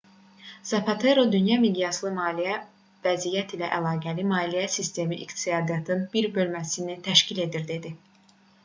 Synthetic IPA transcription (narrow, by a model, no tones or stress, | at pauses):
z̥ɑpʰɑt̪ʰe̞ɾod̪ynjɑmiɡ̪ijɑslˠɯmɑːlijæ | væzijæt̪ʰilæʔælˠɑːɡælimɑːlijæsist̪ʰe̞miʔikt̪ijɑːd̪ijɑt̪ʰɯnbiɾbø̞lmæsinit̪ʰæʃcile̞d̪iɾd̪e̞d̪i